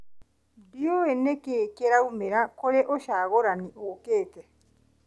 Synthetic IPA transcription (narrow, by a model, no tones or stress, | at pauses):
dioenekeːkeɾaumeɾakoɾeʔoʃaɣoɾaniʔoːkeːt̪e